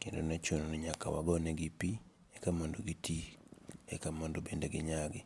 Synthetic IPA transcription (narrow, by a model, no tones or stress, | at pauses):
kendonat͡ʃononɛɲaka̰wa̰ɡɔnɛɡɪpi | ɛkamondoɡitiɛkamondobendeɡɪɲaɡɪ